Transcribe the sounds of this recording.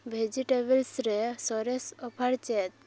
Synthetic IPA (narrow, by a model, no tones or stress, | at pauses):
bʱed͡ʒiʈebəlsɾesɔɾesɔpʰaɾt͡ʃɛt̪̚